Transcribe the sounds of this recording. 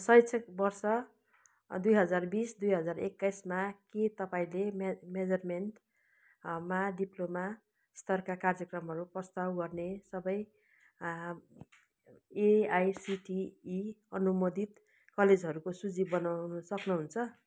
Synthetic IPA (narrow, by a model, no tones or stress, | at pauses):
sʌjsʰʌk̚bʌrsʌ | d̪ujɦʌd͡zarbisd̪ujɦʌd͡zarekːajsmaket̪ʌpaĩlemmed͡zʌrmeɳʈ | maɖiploma | st̪ʌrkakard͡zjʌkrʌmɦʌɾuprʌst̪awɡʌrnesʌbʌj | eajsiʈiː | ʌnumod̪it̪ | kʌled͡zɦʌɾukosud͡zibʌnanusʌknuɦunt͡sʰʌ